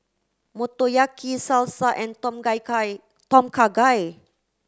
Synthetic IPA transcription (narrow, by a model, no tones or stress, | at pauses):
mut̪ojakisalsaʔɛ̃ntɔmɡaj | t̪ɔmkʰaɡaj